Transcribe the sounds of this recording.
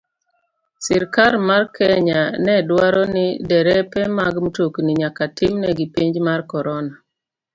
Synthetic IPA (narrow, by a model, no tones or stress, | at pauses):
siɾkaɾmarkʰɛɲanɛdwaɾɔnɪdɛɾɛpɛmaɡmtokniɲakatɪmnɛɡipiɲd͡ʒmarkɔɾɔna